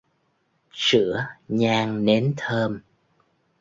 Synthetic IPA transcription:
sɨ̰˧˥əɲaː˧ŋne˨˦nt̪ʰəː˧m

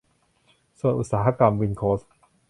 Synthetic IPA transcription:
su˨˩ənʔu˨˩t̪̚saː˩˦ɦa˦˥ka˧mwi˧nkʰoː˦˥s

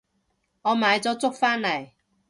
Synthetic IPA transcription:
ŋɔ˨˧maː˨˧jt͡sɔ˨˦t͡sʊ˥k̚faː˦˥nːa˨˩j

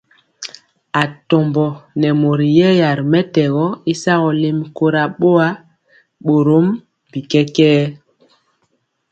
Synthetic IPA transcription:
a˨tɔ˨mbɔ˨nɛ˨mo˨ɾi˨jɛ˦ja˨ɾmɛ˦tɛ˨ɣɔ˦i˦sa˦ɣɔ˨le˦mko˦ɾa˨ɓo˦a˦ | ɓo˨ɾo˦m | bi˨kɛ˦kɛː˦

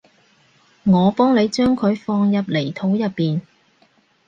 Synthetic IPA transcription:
ŋɔː˨˧pɔː˥ŋne˨˧jt͡ʃœː˥ŋkʰɵ˨˧ɥfɔː˧ŋjɐ˨p̚le˨˩jt̪ʰo˨˥wjɐ˨pːiː˨n

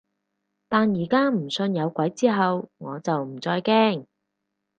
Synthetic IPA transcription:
t̪aː˨njiː˨˩kaː˥m̩˨˩sɵ˧njɐ˨˧wkʷɐ˨˥jt͡siː˥ɦɐ˨wŋɔː˨˧t͡sɐ˨wm̩˨˩t͡sɔː˧jkɛː˥ŋ

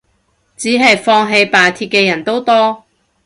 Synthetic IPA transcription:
t͡siː˨˥ɦɐ˨jfɔː˧ŋɦe˨˧jpaː˨˩t̪ʰiː˧p̚kɛː˧jɐ˨˩nt̪o˥wt̪ɔː˥

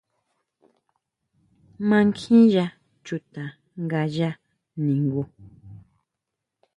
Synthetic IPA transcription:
mã˧ŋkʰĩ˦ja˧ | t͡ʃu˧t̪a˨ | ŋɡa˧ʒa˦ | nĩ˨ŋɡu˧

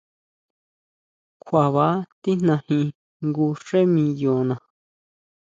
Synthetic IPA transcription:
kʰʷa˨βa˨˦t̪i˦n̥nã˧hĩ˧ | ŋɡu˧ʂe˦mĩ˧jo˨nã˨

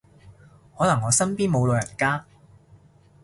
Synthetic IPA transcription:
hɔː˨˥nɐ˨˩ŋːɔː˨˧sɐ˥npiː˥nmo˨˧wlo˨˧jɐ˨˩nkaː˥n

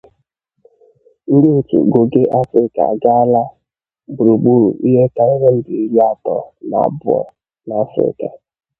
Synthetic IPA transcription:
n̩˦ɾi˦˨tṵ˨ɡo˨ɡe˦ʔa˦fɾɪ˦ka̰˨ɡa˦la˦ | bu˨ɾu˨ɡ͡bu˦˨ɾu˨ʔi˦ɦe˦ka˦i˦ɦe˦n̩˦dɪ˨ɾa˦tɔ˨nɔ̰˨bʊ˦ɔ̰˦˨ | na˨a˦fɾɪ̰˦ka̰˨

